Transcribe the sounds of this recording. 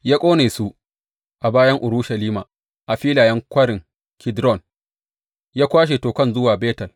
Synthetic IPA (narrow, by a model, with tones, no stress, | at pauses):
jaː˦kʷʼoː˦neː˨su˦ | ʔa˨baː˦jɐ˦ŋʔʊ˨ɾu˦ʃɐ˨liː˦maː˨ | ʔa˨ɸiː˦laː˨jɐ˦ŋkʷɐ˦ɽɪ˨ŋ | kʰʲɪ˦dɾɔ˦˨n | jaː˦kʷaː˦ʃ̬e˨toː˨kɐ˦nzʊ˦waː˨beː˦tɐ˨l